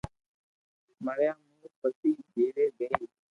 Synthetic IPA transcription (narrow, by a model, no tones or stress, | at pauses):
məɽjãːmũːpəsiːd͡ʒeːɽeːɡəeː